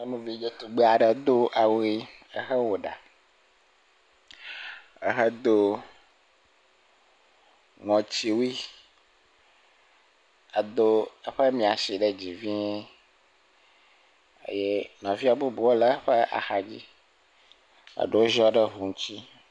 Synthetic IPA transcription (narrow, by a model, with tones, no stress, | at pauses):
e˦mũ˨vi˦d͡ʒe˦t̪u˨ɡ͡be˦a˨ɖə˨d̪o˦ʔa˨wi˦ə˦xə˦wo˨ɖa̰˨ | ə˨ɦə˦d̪o˦ | ŋɔ̃˨t͡ɕi˦wi˦ | a˨d̪o˦ə˦ɸə˦mĩ˨a˨si˨ɖə˦d͡ʑi˨vi˦ɲ˦ | ḛ˦je˦nɔ̃˨vi˦a˨bo˦bu˨wo˦lə˦ɸə˦ʔa̰˨xa˨d͡ʑḭ˦ | a̰˨ɖe˦wo˦ʒɔ˦ɖə˦ɦu˨ŋũ˦t͡ɕi˦